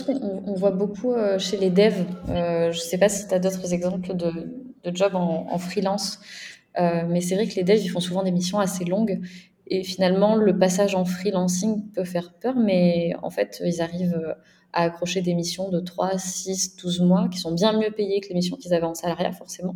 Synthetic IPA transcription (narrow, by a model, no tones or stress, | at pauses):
kɔ̃ɔ̃vwabokʰuøʃeled̪ɛvøʒəsɛpasi̥t̪yad̪ot̪χəzɛɡzɑ̃pləd̪ə | d̪̥əd͡ʒɔbɑ̃ɑ̰̃fχilɑ̃s | ømɛsɛvʁɛkled̪ɛvilfɔ̃suvɑ̃d̪emisjɔ̃aselɔ̃ɡ | efinalmɑ̃ləpasaʒɑ̃fχilɑ̃siŋpøfɛʁpœʁmɛɑ̰̃fɛt̪ʰøilzaʁivø | a̰ːkχɔʃed̪emisjɔ̃d̪ət̪χwasisd̪̥uzmwakʲi̥sɔ̃bjɛ̃mjøpejekəlemis̬jɔ̃kʲilzavɛɑ̃salaʁja̰fɔʁsemɑ̃